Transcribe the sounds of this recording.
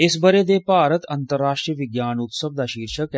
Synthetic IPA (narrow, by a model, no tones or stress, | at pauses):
esbɐɾed̪eːpaːɾət̪ɐnt̪əɾːaːʂʈɾijʋiɡjaːnut̪səbd̪aʃiːɾʃək